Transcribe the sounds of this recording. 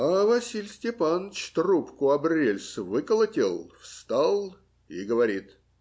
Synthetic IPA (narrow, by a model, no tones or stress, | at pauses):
avɐsʲilʲsʲtʲɪpant͡ɕt̪rupkʊɐbrʲelʲsvɨkəlˠətʲɪlˠfst̪alˠ | iɡəvɐɾʲit̪